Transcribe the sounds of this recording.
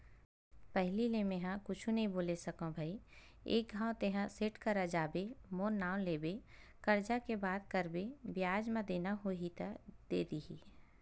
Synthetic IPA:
pɛɦlilemẽɦãkʊt͡ʃʰũnɐɦĩboːlesɐkõbʱaːi | ḛːk̚ɡʱãːõt̪eɦãsɪʈkɐɾɐd͡ʒaːbemoːɾnaːw̃leːbe | kɐɾd͡ʒakebaːd̪̚kɐɾbebɪjaːd͡ʒmãd̪eːnaɦoɦit̪əd̪̥ḛːd̪iɦiː

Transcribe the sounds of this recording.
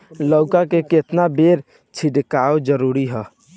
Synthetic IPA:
lɔʊkakeket̪nabeɾ | t͡ʃʰiɖkaod͡ʒəɾuɾiɦɛ

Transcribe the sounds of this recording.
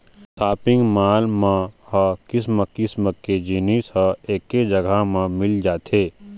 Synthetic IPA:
saːpɪ̃ŋɡmaːlmãhəkɪs̬məkɪsməked͡ʒiːnisəeːkːed͡ʒəɡʱamãmɪld͡ʒaːt̪eː

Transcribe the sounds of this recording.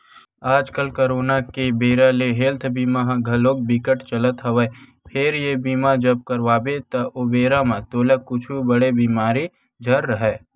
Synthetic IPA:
aːd͡ʒkəlkəɾoːnakebeːɾaleɦeːlt̪ʰbiːmaɦɡʱɐloːk̚bɪkəʈt͡ʃələt̪ɦəʋə | pʰɪɾjebiːmad͡ʒəb̚kəɾʋaːbet̪ɐʔobeːɾamẽt̪oːlekʊt͡ʃʰubəɽebiːmaːɾi | d͡ʒʱəɾːəɦɛː

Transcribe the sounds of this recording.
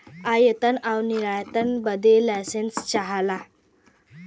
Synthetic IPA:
ajət̪ənawniɾajt̪ənbəd̪ʱelajsenst͡ɕaɦala

